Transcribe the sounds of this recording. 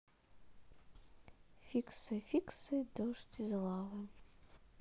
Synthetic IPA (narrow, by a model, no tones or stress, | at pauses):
fʲiksɨfʲiksɨd̪ɔʂt̪ʲizʲlˠɑvɨ